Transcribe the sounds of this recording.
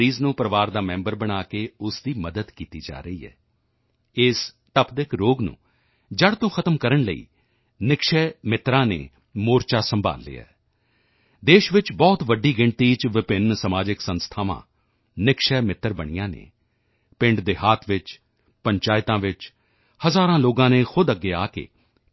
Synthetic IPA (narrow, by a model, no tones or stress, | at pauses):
iːznũːpɾəʋaːɾd̪aːmɛ̃ːmbəɾbəɽ̃aːkeːʊsd̪iːməd̪əd̪kiːt̪iːd͡ʒa̰ːɾəiːɛ̰ː | ɪs | t̪əpʰd̪ɪkɾoːɡnṵ̃ː | d͡ʒəɽt̪õːxʰət̪əmkəɾəɳləḭː | nɪkʃɛːmɪt̪ɾãːnḛː | moːɾt͡ʃaːsəmba̰ːlːḛːɛ̰ː | d̪eːʃʋɪt͡ʃbɔːt̪ʋəɖːiːɡɪ̃ɳt̪iːt͡ʃʋɪpɪnsəmaːd͡ʒɪksə̃nst̪ʰaːʋã̰ː | nɪkʃɛːmɪt̪ːəɾbəɽ̃ijãːnḛː | pɪ̃ɳɖd̪eːɦaːt̪ʰʋɪt͡ʃ | pəɲt͡ʃaːɪt̪ãːʋɪt͡ʃ | həzaːɾãːloːɡãːneːxʰʊd̪əɡːeːaːkḛː